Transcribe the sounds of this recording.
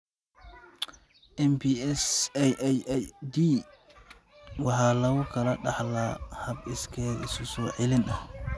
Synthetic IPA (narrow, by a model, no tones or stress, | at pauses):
ʔɛmbiɛsɛjʔjd̪i | wɑħaːlɐwʊkʰɐlɐɗɐħlahɐbɪskʰɛːɪ̰sʊsɔːʕɛlɪnɔ